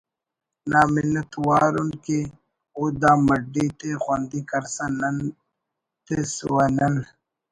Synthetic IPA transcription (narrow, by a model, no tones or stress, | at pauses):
naːminɐt̪waːɾunke | od̪aːmɐɖit̪exwand̪ikɐɾsɐnɐn | t̪esuwanɐn